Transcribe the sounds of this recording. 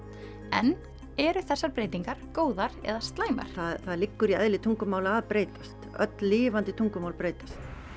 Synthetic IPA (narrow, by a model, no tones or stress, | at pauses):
ɛn | ɛɾʏθɛsːaɾpɾeːjt̪iŋkaɾ̥koːwðaɾɛ̰ðast̪laːjma̰ɾ̥θaðθaðɾlɪkːʏɾiɛðlɪt̪ʰuŋkʏmaːwlaaːðpɾeːjt̪ḁst̪œ̰t̪lːiːvant̪ɪt̪ʰuŋkʏmaːwlpɾeːjt̪ḁs